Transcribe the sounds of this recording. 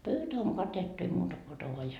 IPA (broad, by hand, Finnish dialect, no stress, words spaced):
pøytæ oŋ kɑtetːu ei muːtɑ ko otɑ ʋoɑ jɑ